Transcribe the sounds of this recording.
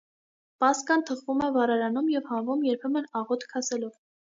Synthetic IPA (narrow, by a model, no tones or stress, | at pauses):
pɑskɑnt̪ʰəχvumɛvɑɾɑɾɑnumjɛvhɑɱvumjɛɾpʰɛmənɑʁɔt̪ʰkʰɑsɛlɔv